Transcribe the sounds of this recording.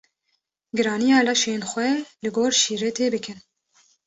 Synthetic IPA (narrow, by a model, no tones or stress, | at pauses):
ɡɨɾɑːnijɑːlɑʃeːnxʷɛlɨɡoːɾʃiːɾɛt̪ʰeːbɨkʰɨn